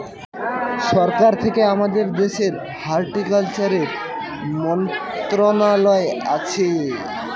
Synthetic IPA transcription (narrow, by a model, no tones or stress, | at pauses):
ʃɔɾkaɾt̪ʰekeamad̪eɾd̪eʃeɾ | haɾʈikalt͡ɕaɾeɾ | mɔnt̪ɾonalɔeʔa̰t͡ɕʰe